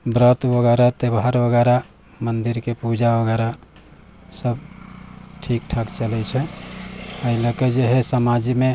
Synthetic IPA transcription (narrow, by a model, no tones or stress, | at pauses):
bɾət̪ʋəɡɛɾat̪ebɦaɾʋəɡɛɾa | mənd̪iɾkepud͡ʒawəɡɛɾa | səb | ʈʰikʈʰəkt͡ʃəlɛt͡ʃʰɛ | əiləked͡ʒeɦɛsəmad͡ʒime